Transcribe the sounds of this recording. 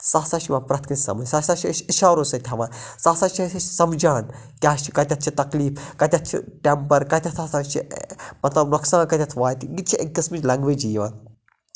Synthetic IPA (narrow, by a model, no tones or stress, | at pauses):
saːsaːʃiʋãːnpɾɐt̪ʰkɐnʲsɐ̰mɐsasat͡ʃʰiiʃaːɾoːsɐt̪ʲʰɐʋaːnsaːsaːt͡ʃʰisɐmd͡ʒaːnkʲaːt͡ʃʰi̥kɐt̪ʲɐt̪̚t͡ʃʰit̪ɐkliːfkɐt̪ʲɐt̪̚ʰt͡ʃʰḭʈempɐɾkɐt̪ʲɐsʰaːsaːnt͡ʃʰimɐt̪lɐbnoksãːnkɐt̪ʲɐt̪ʰʋaːt̪iɡit̪t͡ʃʰiʔɐkɨsmɨd͡ʒʲlɐ̃ŋɡʋed͡ʒiːʋaːn